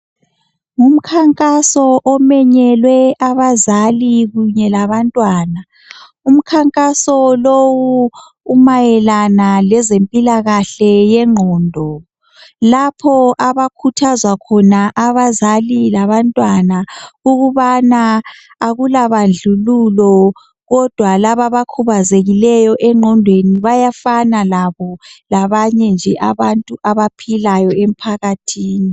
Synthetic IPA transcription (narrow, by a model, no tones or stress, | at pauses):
ŋum̩kʰaŋkʼasɔʔɔmɛɲɛlwɛʔaβazaliɣuɲɛlaβantʼwaːna | um̩kʰaŋkʼasɔlowuː | majɛlanalɛzempʼilaɣaɬɛjɛŋ͡ǃʱɔːndʱɔ | lapʰɔʔaβakʰutʰazwakʰɔnaʔaβazalilaβantʼwanauɣuβanaː | ɣulaβand͡ɮʱululɔ | ɣɔd̥ʱwalaβaβakʰuβazeɣilɛjɔʔɛŋ͡ǃʱɔndʱweniβajafanalaβɔlaβaɲɛnd͡ʒʱɛʔaβantʼuʔaβapʰilajɔem̩pʰaɣatʰiːni